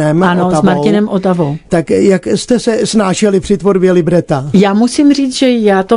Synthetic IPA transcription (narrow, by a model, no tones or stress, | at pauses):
ɛmanozmaɾcɪnɛmʔot̪avowt̪akjakst̪ɛsɛsnaːʃɛlɪpr̥ɪt̪voɾbjɛlɪbɾɛt̪ajaːmusimr̝iːt͡sʒɛjaːt̪o